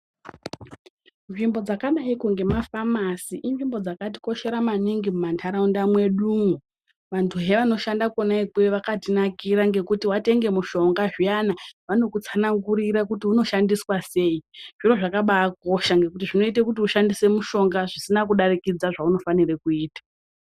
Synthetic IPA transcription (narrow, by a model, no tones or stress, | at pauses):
nʐimbo̞d͡zakaɗaikoŋɡe̞mafamasiʔinʐimbo̞d͡zakati̥ko̞ʃe̞ɾamaniŋɡimumantʰaɾaundamwe̞ɗumu | ʋantʰuɦe̞ʋano̞ʃandakonaikwe̞ʋakatinakiɾaŋɡe̞kutiwate̞ŋɡe̞muʃo̞ŋɡaʐijanaʋano̞kut͡sanaŋɡuɾiɾakutiuno̞ʃandiswase̞ːiʐ̥iro̞ʐakaɓaːko̞ʃaŋɡe̞kutiʐino̞itekut̬iuʃandise̞muʃo̞ŋɡaʐisinak̬uɗarikid͡zaʐauno̞fanirekuiːtḁ